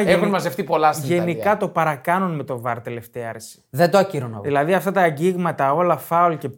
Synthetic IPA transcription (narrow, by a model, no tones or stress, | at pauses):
exunmɐzeft̪ipo̞lɐsʝe̞nikɐt̪o̞pɐɾɐkɐnunme̞t̪o̞vɐɾt̪ele̞ft̪eɐɐɾsi̥ðend̪oɐciɾonɐ̰ðilɐðiɐft̪ɐt̪ɐːɲɟiɣmɐt̪ɐo̞lɐfɐulce̞